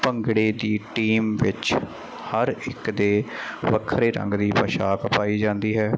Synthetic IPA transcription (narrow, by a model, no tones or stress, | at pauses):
pəŋɡɽeːd̪iːʈiːmʋɪt͡ʃ | həɾɪkd̪eːʋəkʰɾeːɾə̰̃ŋɡd̪iːpəʃaːkəpaːiːd͡ʒãːnd̪iːɦɛː